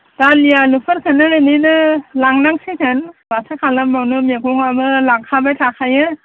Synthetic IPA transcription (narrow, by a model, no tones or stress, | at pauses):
d̥alijalupʰɯɾkʰɯnːɯɯninɯlaŋnaŋsikʰɯnbasakʰalambawnɯmeɡɔŋamɯlaŋkʰabajtʰakʰajɯ